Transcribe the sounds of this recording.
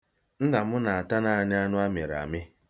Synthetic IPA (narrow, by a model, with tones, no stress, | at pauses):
n̩˦na˨mʊ˦na˨a˨ta˦na˦a˨ɲɪ˦a˦nʊ˦a˦me˨ɾa̰˨mɪ˦